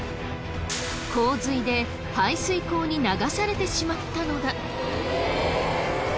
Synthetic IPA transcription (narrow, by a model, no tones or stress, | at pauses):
kʰo̞ːzɨid̪e̞ | haisɨiko̞ːɲ̟inaɡasaɾe̞t̪e̞ɕimat̪ːano̞d̪a